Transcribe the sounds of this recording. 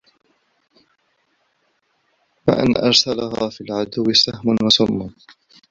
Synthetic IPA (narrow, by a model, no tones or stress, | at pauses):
wa̰ʔa̰nʔɑɾˤsalaɦa̰ːfilʕad̪ʊwːɪsahmʊnwasʊmːʊn